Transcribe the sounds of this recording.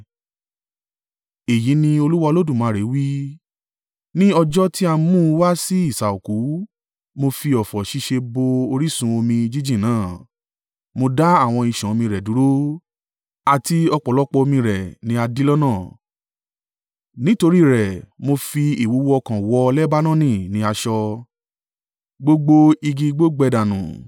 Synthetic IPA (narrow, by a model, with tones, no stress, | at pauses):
e˨ji˨˦nĩ˧o˧lu˦wa˧lo˦dũ˦˨mãː˨˦ɾe˨˦wi˦ | nĩ˦ɔ˧d͡ʒɔ˦ti˦a˧mũ˦˧wa˦si˦i˦˨sa˨o˨ku˨˦ | mo˧fi˧ɔ˨fɔ˨ʃi˧ʃe˧bo˧o˧ɾi˦sũ˧o˧mĩ˧d͡ʒi˦d͡ʒĩ˦˨nãː˨˦˨ | mo˧da˦a˦˨w̃ɔ̃˧i˧ʃã˨o˧mĩ˧ɾɛ˨du˨˦ɾo˦ | a˨ti˧ɔ˧k͡pɔ˨lɔ˦k͡pɔ˧o˧mĩ˧ɾɛ˨nĩ˨˦a˧di˦lɔ˦nãː˦˨ | nĩ˨˦to˧ɾi˦˨ɾɛ˨mo˧fi˧i˨wu˨˦wɔ˧kã˨wɔ˧lɛ˦ba˦nã˦˨nĩ˦˨nĩ˨˦a˧ʃɔ˧ | ɡ͡bo˧ɡ͡bo˧i˧ɡi˧ɡ͡bo˦ɡ͡bɛ˧da˨nṵ̃˨